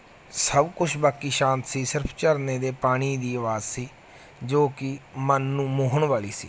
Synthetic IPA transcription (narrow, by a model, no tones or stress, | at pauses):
səbkʊt͡ʃʰbaːkːiːʃãːnt̪siːsɪɾpʰt͡ʃəɾneːd̪eːpaːɽ̃iːd̪iːəʋaːzsiː | d͡ʒoːkɪmənːũːmʊɦəɳʋaːliːsiː